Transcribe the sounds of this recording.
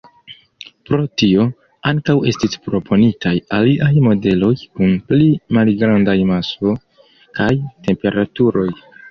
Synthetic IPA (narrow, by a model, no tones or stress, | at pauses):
pɾo̞tio̞ | aŋkawe̞stispɾo̞pʰo̞nitʰajaliʔajmo̞de̞lo̞jkunplimalɡɾandajmaso̞ | kajte̞mpe̞ɾatuɾo̞j